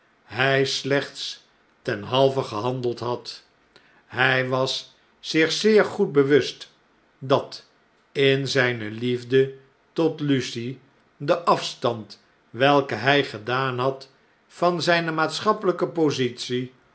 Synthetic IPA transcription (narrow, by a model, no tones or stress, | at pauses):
ɦɛjslɛχts | tɛnɦɑlˠvəχəɦɑndəlˠtɦɑt | ɦɛjʋɑsː | ɪχsɪːɹχud̚bəʋɵst | dɑt | ɪnzɛjnəlivdə | tɔtlysi | dəʔɑfstɑnt | ʋɛlˠkəɦɛjχədaːnɦɑt | fɑnzɛjnəmaːtsχɑpələkəpozitsi